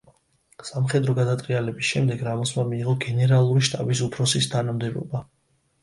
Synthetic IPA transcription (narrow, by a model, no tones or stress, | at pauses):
samχɛd̪ɾɔɡad̪at̪ʼɾʼialɛbisʃɛmd̪ɛɡɾamɔsmamiːʁɔɡɛnɛɾalˠuɾiʃt̪ʼabisupʰɾɔsist̪ʰanamd̪ɛbɔ̰ba